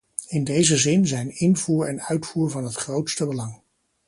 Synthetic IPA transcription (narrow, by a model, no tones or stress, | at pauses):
ɪndejzəzɪnzɛjnɪnvuːɹɛnœɥtfuːɹvɑnɦətχrowtstəbəlɑŋ